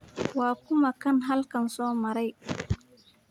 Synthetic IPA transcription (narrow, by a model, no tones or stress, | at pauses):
waːkʊmakɐnɦalkɐnsoːmɐɾaj